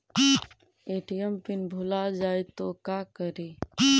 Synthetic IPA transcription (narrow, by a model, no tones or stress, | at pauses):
eːʈijəmpɪnbʱulad͡ʒaːjt̪okaːkəɾeː